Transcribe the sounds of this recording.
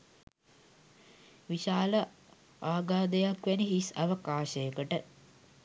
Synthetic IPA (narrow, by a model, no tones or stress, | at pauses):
ʋiʃaːlə | aːɡaːd̪əjakʋæniɦisɐʋəkaːʃəjəkəʈə